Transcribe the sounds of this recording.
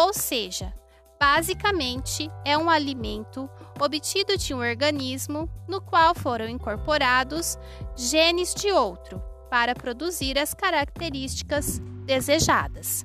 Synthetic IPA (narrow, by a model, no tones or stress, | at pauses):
owseʒɐ | b̥azikɐmẽnt͡ʃɪɛũalimẽnt̪ʊ | obit͡ʃid̪ʊd͡ʒɪũoɾɡɐ̃nizmʊnʊkwawfoɾɐ̃w̃ĩkoɾpoɾad̪ʊs | ʒẽnɪzd͡ʒɪowt̪ɾʊ | paɾɐpɾod̪uziɾɐskaɾak̚t̪eɾist͡ʃi̥kɐzd̪ezeʒa̰d̪ɐs